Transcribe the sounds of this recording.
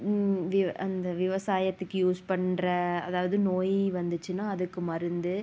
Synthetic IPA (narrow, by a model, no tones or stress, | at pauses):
ʋɪɐnd̪ɐʋɪʋɐsaːjɐt̪ːɯkːɯjuːspɐɳɾɐɐ̰ðaːʋɐðɯnoːjʋɐnd̪ɯt͡ʃːɯnaːɐðɯkːɯmɐɾɯnd̪ɯ